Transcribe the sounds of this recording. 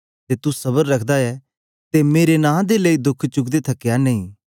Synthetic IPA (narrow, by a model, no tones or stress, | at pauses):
t̪eːt̪usɐbəɾːɐkʰd̪aɛ | t̪emeːɾenãːd̪eləid̪ʊkʰt͡ʃʊkd̪et̪ʰɐkjanɐĩː